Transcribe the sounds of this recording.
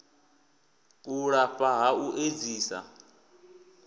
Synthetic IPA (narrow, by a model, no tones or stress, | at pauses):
uɺaɸaɦauʔed͡ziːsa̰